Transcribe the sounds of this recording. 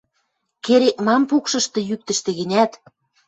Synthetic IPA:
keɾek̚mɑmpukʃɤ̆ʃt̪ɤ̆jyk̚t̪ə̆ʃt̪ĕɣɘ̆nʲæt̪

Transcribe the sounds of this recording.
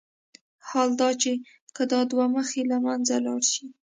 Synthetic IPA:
hɑld̪ɑt͡ʃe | kəd̪ɑd̪waməxelamanzalɑ̰ɽʃi

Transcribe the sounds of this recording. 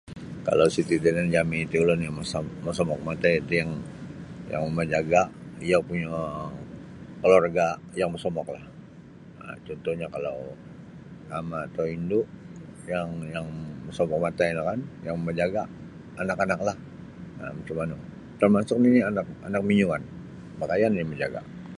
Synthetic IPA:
ka̰lawsit̪id̪inand͡ʒaminit̪iulʊnjaməsaməsɔmɔk̚mat̪ait̪ujaŋ | ja̰ŋmad͡ʒaɡaʔijapuɲa | kəlorɡa | jaŋməsomɔklah | ə̰t͡ʃɔnt̪ɔhɲakala̰w | amaːt̪awinduʔ | jaŋjaŋməsomɔk̚mat̪anakanjaŋməd͡ʒaɡaː | nakanaklah | ə̰mət͡ʃumanu | t̪ərmasʊk̚niinianak̚anak̚miɲuŋan | makajaniniməd͡ʒaɡa̰ʔ

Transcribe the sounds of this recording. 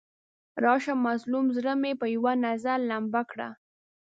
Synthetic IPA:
ɾɑʃamːazlumzɾəmepəjwanazaɾlambakɽa̰

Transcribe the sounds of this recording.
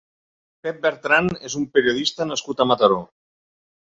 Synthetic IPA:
pep̚beɾt̪ɾanezumpeɾioð̞ist̪anaskut̪amat̪aɾo

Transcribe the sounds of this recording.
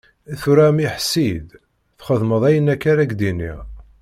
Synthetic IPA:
æθuɾæmiħsid̪ | θχəðˤməðˤæjənækːaɾækd̪inḭ

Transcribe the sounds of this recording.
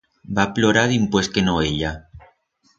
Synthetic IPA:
baploɾaðimpweskenoeʎa

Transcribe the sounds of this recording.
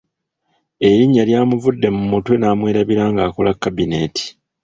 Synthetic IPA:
e̞ɾiɲːaljaːmuvudːe̞mumutwe̞naːmwe̞ːɾaβiɾaːŋɡaːkolakːabine̞ti̥

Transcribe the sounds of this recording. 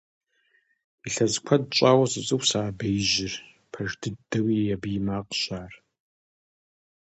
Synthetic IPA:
iɬɐzkʷʰɐdt͡ʃʼaːwɐsʼɨt͡sʼɨwsaːbejʒɪr | pʰɐʒdɨdɐwiːjabijmaːqɕaːr

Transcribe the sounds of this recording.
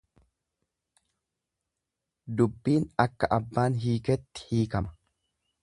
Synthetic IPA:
d̪ʊbːiːnɐkːɐʔɐbːaːnɦiːkɛt̪ːɪ̥hiːkɐmɐ̥

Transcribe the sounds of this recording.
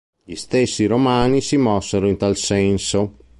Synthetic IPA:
ʎist̪esːiɾomaːnisimɔsːeɾoint̪alsɛnso

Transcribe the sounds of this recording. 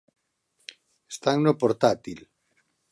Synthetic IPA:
est̪aŋnopoɾt̪at̪il

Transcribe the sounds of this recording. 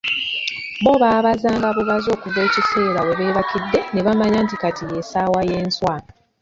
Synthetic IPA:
bo̞βaːβazaːŋɡaβuβazo̞ːkuve̞ːcise̞ːɾawe̞βe̞ːβakidːe̞ne̞βamaɲaːntikatije̞saːwaje̞ːnswaːna

